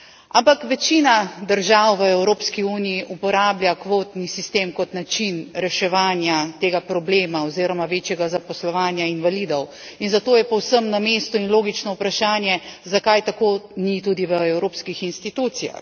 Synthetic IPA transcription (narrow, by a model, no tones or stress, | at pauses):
ʔampakʋɛt͡ʃinad̪əɾʒawʋəɛwɾoːpskiuːnijiʔupɔɾaːbljakʋoːt̪nisist̪eːmkɔt̪nat͡ʃinɾɛʃɛʋaːnjat̪eːɡapɾɔbleːmaɔziːɾɔmaʋeːt͡ʃjɛɡazapɔslɔʋaːnjainʋalid̪ɔw | inzat̪oːjɛpɔwsəmnameːst̪uinloːɡit͡ʃnɔupɾaʃaːnjɛzakajt̪akoːnit̪uːd̪iʋəɛwɾoːpskixinst̪it̪ut̪sija̰x